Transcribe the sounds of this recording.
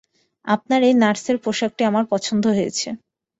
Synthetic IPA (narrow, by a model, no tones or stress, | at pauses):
a̰p̚naɾejnaʈseɾpɾoʃak̚ʈiamaɾpɔt͡ɕʰond̪ʱoɦojḛt͡ɕʰe